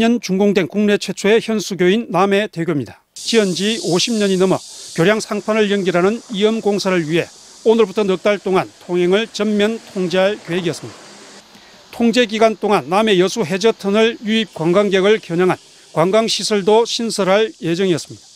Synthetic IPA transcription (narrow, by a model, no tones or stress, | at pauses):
ʌnt͡ɕuŋɡoŋdwe̞nkuŋne̞t͡ɕʰwe̞t͡ɕʰoeçjʌnsʰuɡjoinːame̞te̞ɡʲjomɲidḁ | t͡ɕiʌnd͡ʑioɕʰimɲʌɲinʌmʌkjoɾjaŋsʰaŋpʰanɯɭjʌŋɡiɾanɯniʌmɡoŋsʰaɾɯɭɥiɦe̞̰ | onɯɭbutʰʌnʌk̚t͈aɭt͈oŋantʰoŋɦe̞ŋɯɭt͡ɕʌmːʌntʰoŋd͡ʑeɦaɭkjoɦeɡiʌs͈ɯmɲid̥ḁ | tʰoŋd͡ʑe̞ɡiɡwant͈oŋanːame̞jʌsʰuɦe̞d͡ʑʌtʰɯnɯɭjuip̚kwaŋɡaŋɡjʌɡɯɭkjʌɲaŋɦan | kwaŋɡaŋɕʰisʰʌɭdoɕʰinsʰʌɾɦaɭje̞d͡ʑʌŋiʌs͈ɯmɲid̥ḁ